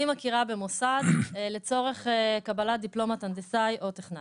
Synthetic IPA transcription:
imakiʁabe̞mosadlet͡so̞ʁe̞χkabalad̪iplo̞matand̪esajʔo̞t̪eχna

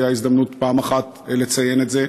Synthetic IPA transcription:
jaizd̪amnutpaːmaχat | elet͡saje̞netze

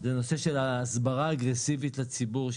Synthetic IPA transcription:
zeno̞se̞ʃelaːsbaʁaːɡʁesivitlat͡sibuʁʃ

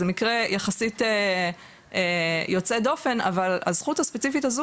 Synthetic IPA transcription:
zemikʁejaχasite | ejo̞t͡sed̪o̞fe̞na̰vala̰zχuthaspet͡sifitazu

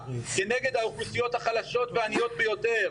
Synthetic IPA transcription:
ke̞ne̞ɡe̞d̪haoχusijo̞t̪haχalaʃo̞t̪veanijo̞t̪̚bejo̞t̪e̞ʁ

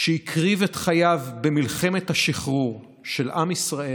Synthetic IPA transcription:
ʃeikʰʁivetχajavbemilχe̞me̞thaʃiχʁuʁ | ʃe̞lʔamisʁae

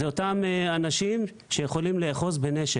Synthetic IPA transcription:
eo̞tameanaʃim | ʃejeχo̞limleːχo̞zbe̞ne̞ʃe

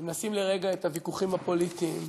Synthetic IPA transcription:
mnasimle̞ʁe̞ɡaet̪avikuχimhapo̞lit̪iːm

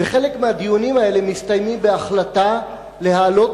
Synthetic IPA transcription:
eχe̞lekmehad̪ijunimae̞le̞mist̪ajmimbe̞aχlat̪a | le̞haːlo̞t

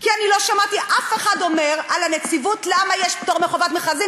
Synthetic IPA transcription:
kianilo̞ʃamat̪iʔafeχado̞meʁalanet͡sivut̪lamajeʃp̚t̪oʁmeχovatmeχazi

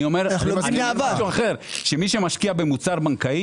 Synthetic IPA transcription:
o̞meʁaniaaʃuaχe̞ʁʃemiʃemaʃkiabemut͡saʁbaŋkai

